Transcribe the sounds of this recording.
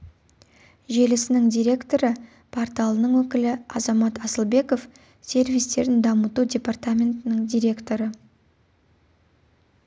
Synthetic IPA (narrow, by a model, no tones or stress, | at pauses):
ʒe̞lɪsɪnɪŋd̪ʲijɾʲe̞kt̪o̞ɾə | pʰaɾt̪ɑlˠənəɴwɵkʲɪlɪɑ̰zɑmɑt̪ɑsəlˠbe̞ko̞f | sʲe̞ɾvʲijst̪e̞ɾɪnd̪ɑmət̪udʲe̞part̪amʲe̞nt̪ɪnɪŋd̪ʲijɾʲe̞kt̪o̞ɾə